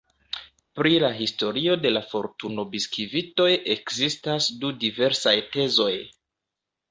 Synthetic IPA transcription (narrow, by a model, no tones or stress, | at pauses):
pɾilaɦisto̞ɾio̞de̞lafo̞ɾtuno̞biskɾivito̞jʔe̞kzistasdudive̞ɾsajte̞zo̞j